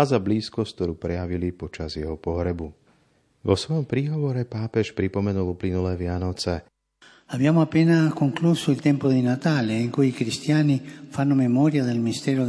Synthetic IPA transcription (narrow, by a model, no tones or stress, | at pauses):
azabliːskɔst̪t̪ɔɾuːpɾɛjaʋilipɔt͡ʃazjɛɦɔpɔɦɾɛbu | ʋɔsʋɔjɔmpɾiːɦɔʋɔɾɛpaːpɛʃpɾipɔmɛnuluplinulɛːʋɪanɔt͡sɛ | abjaːmoapːɛːnakoŋklusoilt̪ɛmpod̪inat̪aːleiŋkujikɾist̪jaːnifanːomemɔːɾjad̪elminist̪ɛːɾo